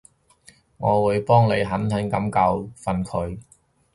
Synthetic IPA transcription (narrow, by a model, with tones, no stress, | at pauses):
ŋɔː˨˧wuː˨˧jpɔː˥ŋne˨˧jɦɐ˨˥nt̪ʰɐ˨˥ŋkɐ˨˥mkɐ˧wfɐ˨nkʰɵ˨˧ɥ